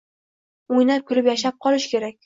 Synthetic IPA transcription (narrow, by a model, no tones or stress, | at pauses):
ojnap̚kʲʰʊɾɪpjaʃap̚qʰɒlˠɪʃkʲʰe̞ɾakʲ